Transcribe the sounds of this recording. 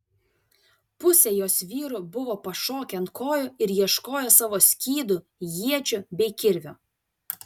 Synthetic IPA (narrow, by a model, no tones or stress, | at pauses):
pʊsʲɛjoːsʋʲiːɾʊbʊʋoːpɐʃoːkʲɛnt̪koːjʊɪɾjiɛʃkoːjoːsɑʋoːsʲkʲiːd̪ʊ | jiɛt͡ʃʲʊbʲɛɪkʲɪɾʲʋʲʊ